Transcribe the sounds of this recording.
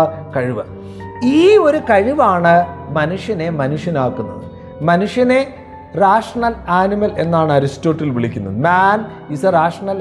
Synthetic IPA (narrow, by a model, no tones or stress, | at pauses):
kɐɻiʋɐ | iːo̞ɾukɐɻiʋaːɳɨmɐnuʂjɐne̞mɐnuʂjɐnaːkːunːɐ̰ðɨ | mɐnuʂjɐne | raːʂɐɳɐlaːnimɐle̞nːaːɳɨɐɾisto̞ːʈːilʋiɭikʲːunːɐðɨmaːn | isɐraːʂɐɳɐl